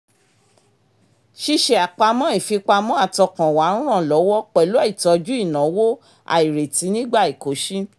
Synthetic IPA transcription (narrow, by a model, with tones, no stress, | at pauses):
ʃi˧ʃe˨a˨k͡pa˧mɔ̃˦i˦˨fi˧k͡pa˧mɔ̃˦a˦˨tɔ˧kã˨wa˨˦n̩˦ɾ̃ã˦˨lɔ˨˦wɔ˦k͡pɛ˨lo˦i˦˨tɔ˧d͡ʒu˦i˦˨nã˨˦wo˦ | a̰˨i˨ɾe˨ti˨˦nĩ˦ɡ͡ba˦˨i˨ko˨˦ʃi˦